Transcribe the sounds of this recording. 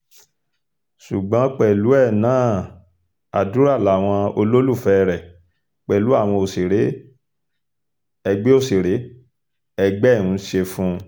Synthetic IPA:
su˨ɡ͡bã˨˦k͡pɛ˨lu˨˦ɛ˦˨nãː˦˨ | a˨du˨˦ɾa˦˨la˨˦˨w̃ɔ̃˧o˧lo˦lu˦˨fɛ˦ɾɛ˨ | k͡pɛ˨lu˨˦a˦˨w̃ɔ̃˧o˨si˨ɾe˨˦ | ɛ˧ɡ͡be˦o˦˨si˨ɾe˨˦ | ɛ˧ɡ͡bɛ˦˨ũ˨˧˦ʃe˧fũ˦

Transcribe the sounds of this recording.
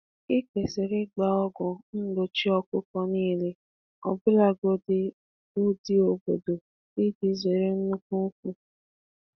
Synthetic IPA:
ɪ˦ke˨se˨ɾɪ˦ɡ͡ba˨ɔ˦ɡʊ˨n̩˦lo˨t͡ʃi˦ɔ˦kʊ˦kɔ˦niː˦le˦ | ɔ̰˨bʊ˦la˦ɡo˦dɪ˦ | u˦di˦o˨bo˨do˨ | i˦di˦ze˨ɾe˦n̩˦nu˦ku˦k̚ʷu˦

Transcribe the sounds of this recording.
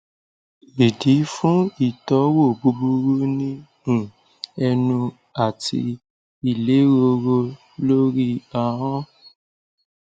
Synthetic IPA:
e˨di˨˦fũ˦i˦˨tɔ˨˦wo˦˨bu˨˦bu˦ɾu˦nĩ˦˨ | ɛ˧nũ˧ | a˨tʰḭ˧ | i˨le˨˦ɾo˧ɾo˧ | lo˦ɾi˦a˦˨ɦɔ̃˦

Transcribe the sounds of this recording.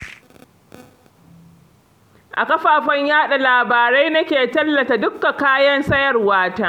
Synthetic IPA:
ʔa̰˨kɐ˦ɸaː˨ɸɐ˦ɲjaː˦ɗa˨laː˨baː˨ɾa˦jnɐ˦kʲeː˨tɐ˦lːɐ˨ta˨dʊ˦kːa˨kaː˦jɐ˦nsɐ˦jɐ˨rwaː˦taː˦

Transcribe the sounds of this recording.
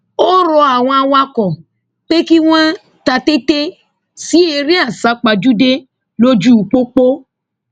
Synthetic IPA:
o˦ɾɔ˧a˨w̃ɔ̃˧wa˧kɔ̃˨ | k͡pe˦ki˦w̃ɔ̃˦ | ta˧te˦te˦ | si˦e˧ɾi˦a˦˨sa˨˦k͡pa˨d͡ʒu˦de˦ | lo˦d͡ʒu˦u˨˧k͡po˦k͡po˦

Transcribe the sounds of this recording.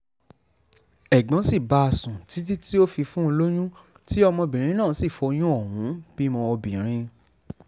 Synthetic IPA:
ɛ˨ɡ͡bɔ̃˨˦si˦˨ba˨˦a˧˨sũ˨ti˨˦ti˦ti˦o˦fi˧fũ˦o˧lo˦j̃ũ˦ | ti˦ɔ˧mɔ̃˧bĩ˨ɾ̃ĩ˧nãː˦˨˦si˦˨fɔ˧˦j̃ũ˦ɔ˦˨wũ˨˦b̥i˦mɔ̃˧ɔ˧bĩ˨ɾ̃ĩ˧

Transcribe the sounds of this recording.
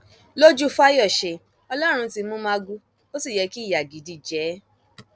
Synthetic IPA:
lo˦d͡ʒu˦fa˦jɔ˦˨ʃe˨ | ɔ˧lɔ˦ɾ̃ũ˧ti˧mũ˦mã˦ɡu˦ | o˦si˦˨jɛ˨˧ki˦˨ja˨ɡi˨di˨˦d͡ʒɛ˨˦

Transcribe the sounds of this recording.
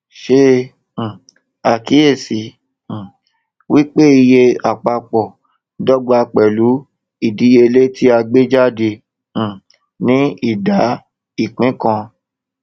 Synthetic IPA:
ʃẽ˧˨ | a˨ki˨˦je˦˨sĩ˨˦˨ | wi˦k͡pe˦i˧je˧a˨k͡pa˧k͡pɔ˨ | dɔ˦ɡ͡ba˧k͡pɛ˨lu˨˦ | i˦˨di˨˦je˧le˦tʰi˦a˧ɡ͡be˦d͡ʒa˦dẽ˧˨ | nĩ˦i˦˨da˨˦ | i˦˨k͡pĩ˨˦kã˧

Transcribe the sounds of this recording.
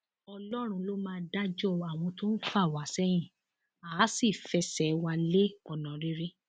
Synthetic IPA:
ɔ˧lɔ˦ɾ̃ũ˧lo˦mãː˦˧˦da˦d͡ʒɔ˦a˨w̃ɔ̃˧to˦n̩˦fa˦˨wa˨˦sɛ˦j̃ĩ˦˨ | aː˨˦si˦˨fɛ˧˦sɛ˨˦wa˧le˦ɔ˨nã˨˦ɾi˦ɾe˦

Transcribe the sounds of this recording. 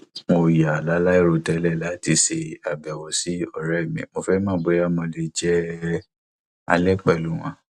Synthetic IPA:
mo˧ja˨la˨˦la˦i˦˨ɾo˧˨tɛ˨˦lɛ˦˨la˦ti˧ʃe˧˨a˨bɛ˨wɔ˨si˦ɔ˦˨ɾɛ˦˨mĩ˨mo˧fɛ˦mã˦˨ɡ͡be˨˦a˦mɔ̃˧le˨d͡ʒɛ˦ | a̰˧lɛ˦k͡pɛ˦˨lu˨˦w̃ɔ̰̃˧˦

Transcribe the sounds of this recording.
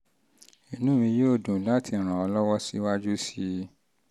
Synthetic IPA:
i˦nũ˦mĩ˧joː˦˨dũ˨la˦tʰi˧˨ɾ̃ã˨ɔ˧lɔ˦wɔ˦si˦wa˦d͡ʒu˦si˦

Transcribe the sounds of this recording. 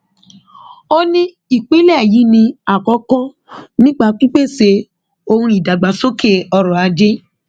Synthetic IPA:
o˦nĩ˦ | i˦˨k͡pe˨˦lɛ˦˨ji˨˦nĩ˧a˨kɔ˨˧˦kɔ̃˦ | nĩ˦ɡ͡ba˦˧k͡pi˦k͡pe˦˨se˧˦ | o˦˧hũ˧i˨da˨ɡ͡ba˨so˦kʰe˦˨ɔ˧ɾɔ̃˨a˨˧d͡ʒe˦

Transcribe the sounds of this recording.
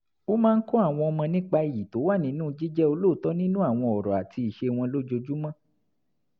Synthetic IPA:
o˦mãː˦n̩˦kɔ˦a˦˨w̃ɔ̃˧ɔ˧mã˧nĩ˦k͡pa˧i˨ji˨to˨˦wa˦˨nĩ˨˧˦nũː˦˧d͡ʒi˦d͡ʒɛ˦o˧lo˦˨tɔ˦nĩ˦nũ˦a˦˨w̃ɔ̃˧ɔ˨ɾɔ˨a˨ti˧i˨ʃe˧w̃ɔ̃˧lo˦d͡ʒo˧d͡ʒu˦mã˦

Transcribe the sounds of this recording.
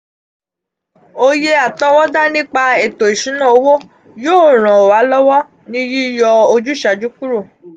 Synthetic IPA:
o˧je˧a˨tɔ˦wɔ˦da˦nĩ˦k͡pa˧e˨to˨i˨ʃĩ˨˦nã˦˨o˧˦wo˦ | joː˦˨ɾ̃ã˨o˨wa˨˦lɔ˦wɔ˦ | nĩ˦ji˦jɔ˧o˧d͡ʒu˦ʃa˨˧d͡ʒu˦ku˦ɾo˦˨

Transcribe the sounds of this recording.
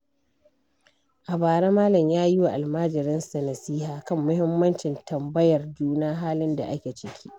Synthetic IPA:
ʔa˨baː˨ɾaː˦maː˦lɐ˨mjaː˦ji˦wa˨ʔa˨lmaː˦d͡ʒɪ˨ɾɪ˦nsɐ˨nɐ˨siː˦ɦaː˨kɐ˦˨mːʊ˦hɪ˦mːɐ˦nt͡ʃɪ˨ntʰɐ˨mbɐ˦jɐ˨rd͡ʒuː˦naː˦ɦaː˦lɪ˦nda̰˨ʔa˦kʲe˨t͡ʃɪ˨kʲʰi̥˦ʔ

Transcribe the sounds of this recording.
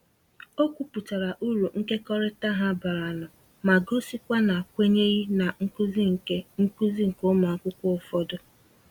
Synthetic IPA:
o˦kʷu˦pu˨ta˨ɾa˨ʔu˦ɾu˨ŋ̩˦ke˦kɔ˦ɾɪ˦ta˦ɦa˦ba˨ɾa˨nʊ˨ | ma˨ɡo˦si˦kʷa˦na˨kʷe˦ɲe˦ɣi˦na˨ŋ̩˦ku˦zi˦ŋ̩˨ke˦ŋ̩˦ku˦zi˦ŋ̩˨ko˦ma˨˦kʷʊ˦kʷʊ˦˨fɔ˦dʊ˦

